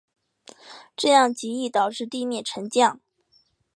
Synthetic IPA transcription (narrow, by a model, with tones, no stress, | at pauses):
ʈ͡ʂɤ˥˧jɑ˥˩ŋt͡ɕi˧˥i˥˩t̪ɑ˨˩ʊʈ͡ʂɻ̩˥˧t̪i˥˧mjɛ˥˩nʈ͡ʂʰə˧˥ŋt͡ɕjɑ˥˩ŋ